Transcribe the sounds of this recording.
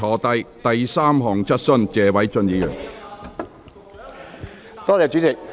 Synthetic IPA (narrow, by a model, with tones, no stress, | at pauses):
ɔː˨˩t̪ɐ˧jt̪ɐ˨jsaː˥mɦɔː˨ŋt͡sʰɐ˥t̚sɵ˥nt͡sɛː˨˧wɐ˨˥jt͡sɵ˧njiː˨˥jyː˨˩ŋ | t̪ɔː˥t͡sɛː˨t͡ʃyː˨˥t͡sɪ˨k̚